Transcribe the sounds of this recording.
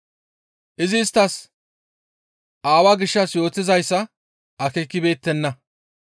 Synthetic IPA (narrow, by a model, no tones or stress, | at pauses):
ʔɪzɪːst̪ːɐs | ʔaːwaːɡɪʃːɐsjo̞ːt̪ːɪzɐjsːɐ | ʔɐkeːkːɪbe̞ːt̪ːɛnːɐ